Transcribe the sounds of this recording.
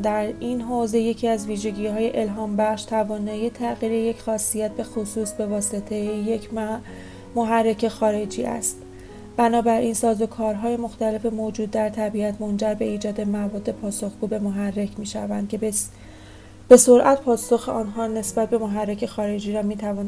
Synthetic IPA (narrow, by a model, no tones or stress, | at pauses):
d̪æɾinɦoːze̞je̞cʰiæzviːʒe̞ɟiːɦɒːje̞ʔelɦɒːmbæχʃt̪ʰævɒːnɒːjet̪ʰæɣiːɾeje̞cʰxɒːsijæt̪̚be̞xosuːsbe̞vɒːse̞t̪ʰe̞jejecʰ | moɦærːe̞cʰe̞xɒːɾe̞d͡ʒiːʔæ̰st̪ | b̥ænɒːbæɾʔiːnsɒːzo̞kʰɒːɾɦɒːjemo̞xt̪æle̞fe̞mod͡ʒuːd̪̚ːæɾt̪ʰæbiæt̪ʰmond͡ʒæɾbe̞iːd͡ʒɒːd̪e̞mævɒːd̪ːe̞pʰɒːso̞xɡuːbe̞moɦærːe̞cʰmiːʃævænd̥̪cʰe | b̥e̞so̞ɾʔæt̪pʰɒːso̞xeʔɒːnɦɒːne̞sbæt̪̚be̞moɦærːecʰe̞xɒːɾe̞d͡ʒiːɾɒmiːt̪ʰævɒːn